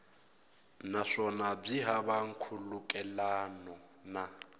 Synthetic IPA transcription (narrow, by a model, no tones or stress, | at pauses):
naʂɔnab͡ʐiɦaβaŋ̩kʰulukʼɛlanɔ | na